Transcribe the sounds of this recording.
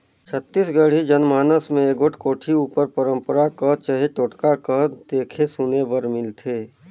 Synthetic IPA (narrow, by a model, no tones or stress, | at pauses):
t͡ʃʰət̪ːiːsɡəɽ̤id͡ʒənmaːnəsmẽeɡoʈʰkoːʈʰiuːpəɾpəɾə̃mpəɾakət͡ʃəɦeʈoːʈkakəd̪eːkʰesʊnebəɾmɪlt̪ʰeː